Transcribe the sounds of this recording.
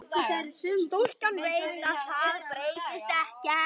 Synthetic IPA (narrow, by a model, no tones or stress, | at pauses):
θeɾsɪðmt̪ul̥kanvejt̪aðθaðpɾeːjt̪ɪst̪ɛhcɛ